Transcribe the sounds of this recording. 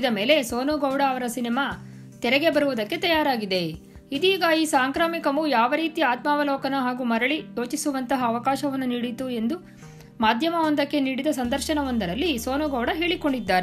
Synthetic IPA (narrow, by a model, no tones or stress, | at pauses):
id̪ɐme̞ːle̞soːnuɡɐwɽɐːʋɐɾɐsinɛmaː | t̪ɛɾɛɡe̞bɐɾuʋud̪ɐkːe̞t̪ɐjaːɾaːɡid̪e̞ | id̪iːɡɐiːsaːŋkɾaːmikɐmujaːʋɐɾiːt̪iaːt̪maːʋɐlɔːkɐnɐɦaːɡuːmɐɾɐɭij̪o̞ːt͡ʃisuʋɐnt̪ɐɦɐːʋɐkaːʃɐʋɐnːuniːɽit̪ue̞nd̪u | maːd̪ʱjɐmɐond̪ɐkːe̞niːɽid̪ɐsɐnd̪ɐɾʃɐnɐʋond̪ɐɾɐlːisoːnuɡɐwɽɐɦe̞ːɭiko̞ɳɖid̪ːaːɾe